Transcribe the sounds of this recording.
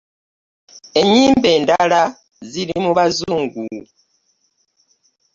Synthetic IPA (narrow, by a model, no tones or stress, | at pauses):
e̞ɲiːmbe̞ːndala | zilimuβazuːŋɡu